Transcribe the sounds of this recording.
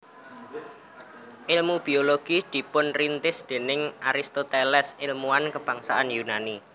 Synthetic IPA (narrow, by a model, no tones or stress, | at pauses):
ʔɪlmub̥i̤oloɡ̥id̪̥i̤pʊnrint̪ɪsd̪̥e̤nɪŋʔaɾist̪ot̪elɛsɪlmuankəb̥a̤ŋsaʔanjunani